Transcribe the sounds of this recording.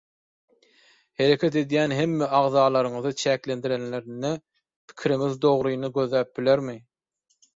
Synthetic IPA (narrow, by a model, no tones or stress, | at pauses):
he̞ɾe̞kʲʰet̪e̞d̪jænɦemːeʔɑʁðɑːlˠɑɾɯŋɯðɯt͡ʃʰæːklend̪iɾenleɾinːe | pʰi̥kʲʰiɾiŋiðd̪o̞ʁɾujnɯɡø̞ðlæːp̚bileɾmi